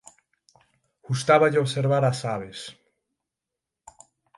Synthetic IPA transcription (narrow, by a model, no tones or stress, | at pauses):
ɣ̥ust̪aβaʎeoβseɾβaɾasaβ̞es